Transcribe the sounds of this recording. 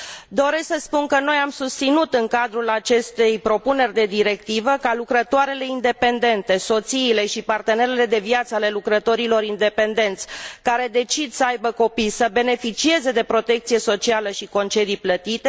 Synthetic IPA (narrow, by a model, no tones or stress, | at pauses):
d̪o̞ɾe̞sksəspunkəno̞jamsust̪sinut̪ɨŋkad̪ɾulat͡ʃe̞st̪e̞jpɾo̞pune̞rʲd̪e̞d̪iɾe̞k̚t̪ivəkalukɾət̪oaɾe̞le̞ind̪e̞pe̞nd̪e̞nt̪e̞so̞t̪siːle̞ʃipart̪e̞ne̞ɾe̞le̞d̪e̞viat̪səale̞lukɾət̪o̞ɾilo̞ɾind̪e̞pend̪e̞nt̪sʲkaɾe̞d̪e̞t͡ʃid̪səajbəko̞pijsəbe̞ne̞fit͡ʃie̞ze̞d̪e̞pɾo̞t̪e̞k̚t̪sije̞so̞t͡ʃialəʃiko̞nt͡ʃe̞d̪ijplət̪it̪e